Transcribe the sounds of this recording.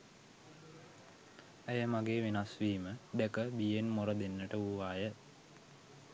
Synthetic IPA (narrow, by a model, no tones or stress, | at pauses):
əjəmaɡeːʋenasʋiːməd̪ɛkəbijenmoɾəd̪enːəʈəuʋaːjə